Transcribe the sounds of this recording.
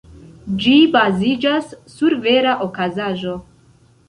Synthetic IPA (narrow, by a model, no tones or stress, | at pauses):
d͡ʒibazid͡ʒasːuɾve̞ɾaʔokazaʒo̞